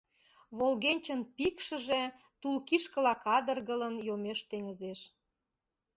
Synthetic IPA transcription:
βolɣenʲt͡ɕənpikʃə̆ʒe | t̪ulkiʃkə̆lɑkɑd̪ərɣələnjomeʃt̪eŋəzeʃ

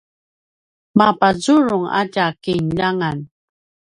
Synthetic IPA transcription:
mapazuɻʊŋa̰ɟakinʎaŋan

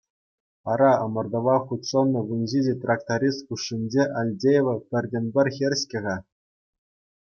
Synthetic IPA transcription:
ɑɾɑɤ̆mɤ̆rd̪ɤ̆ʋɑχut̪sɤnːɤ̆ɡunʲʑid͡ʑʲet̪rɑk̚t̪aɾʲist̪̚kuʂːinʲd͡ʑeʔɑlʲdʲejeʋɤ̆pʲɘ̆rʲdʲĕnʲbʲɘ̆rʲxʲerʲɕkʲɘ̆ʁɑ

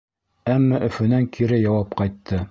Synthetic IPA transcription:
æmːæʔɵ̆fɵ̆næŋkʰiɾɘjɑwɑpqɑjt̪ʰːɤ

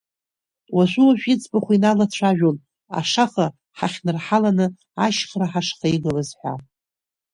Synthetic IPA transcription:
waʒʷuaʒᶣit͡sʰʼbaχʷinalat͡ɕʷʰaʒᶣon | a̰ʂaχa | ħaχʲnɨrħalanɨ | aʃχraħaʂχaiɡɨlazħʷᶣa̰

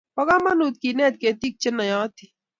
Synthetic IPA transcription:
pɐɣaːmɐnuːt̪̚kineːt̪̚ket̪ik̚t͡ʃɐnɐjãːt̪ʰi

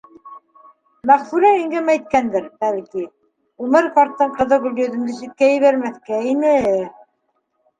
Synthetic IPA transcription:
mæχfuɾæiŋɡæmæjt̪̚kænd̪ɘɾbælki | umɤɾkɑɾt̪ːɤɴqɤ̆ðɤɡɵ̆lj̪ɵ̆ðɘ̆md̪ɘsit̪̚kæjɘ̆βæɾmæθkæinɘ

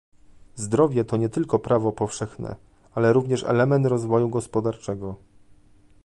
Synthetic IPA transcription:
zd̪ɾɔvʲjɛt̪ɔɲɛt̪ɘlkɔpɾavɔpɔfʂɛxnɛ̰ | alɛɾuvɲɛʂɛ̰lɛmɛnt̪ɾɔzvɔjuɡɔspɔd̪aɾt͡ʂɛɡɔ

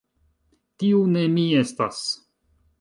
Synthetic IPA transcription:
tiune̞mie̞stas

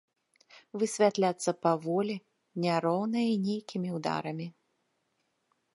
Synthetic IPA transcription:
vɨsʲvʲat̪lʲat̪sːɐpɐvɔlʲi | nʲaɾɔwnɐjɐinʲejkʲʰimʲiwd̪a̰ɾɐmʲi

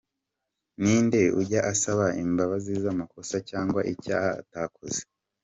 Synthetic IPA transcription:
niːnde̞uɟaʔasaβaimbaβazizamako̞sacaːŋɡwaʔicaːha̰ːtaːkoze̥

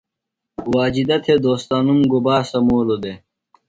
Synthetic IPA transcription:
waːd͡ʑid̪ɐt̪ʰed̪oːst̪aːnumɡobaːsɐmoːlod̪e

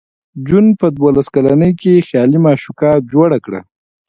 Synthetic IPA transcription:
d͡ʒunpəd̪wolaskalanəjkexjɑlimɑʃukɑd͡ʒoɽakɽa̰

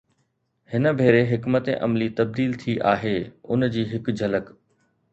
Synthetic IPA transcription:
hɪnə̆bʱeːɾeɦɪkmət̪ḛʔɐ̰mlit̪ɐb̚d̪iːlt̪ʰiʔaːɦeːʊnd͡ʑiːɦɪkd͡ʑʱɐlək

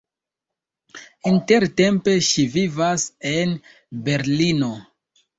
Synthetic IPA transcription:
inte̞ɾte̞mpe̞ʃivivase̞n | be̞ɾlino̞

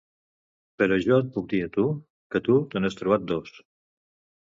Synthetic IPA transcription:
pəɾəʒɔt̪̚puk̚d̪iət̪u | kət̪ut̪ənest̪ɾuβ̞at̪̚d̪os

